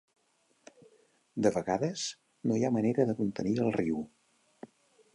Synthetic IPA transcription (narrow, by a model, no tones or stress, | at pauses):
d̪əβəɣaðəz̥ | nojaməneɾəðəkunt̪əniəlˠriw